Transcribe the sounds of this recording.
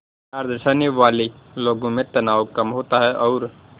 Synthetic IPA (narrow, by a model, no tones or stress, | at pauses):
aːɾd̪əsaːniʋaːliloːɡõmẽt̪ɐnaːʋkɐmɦoːt̪aɦɛʔɔːɾ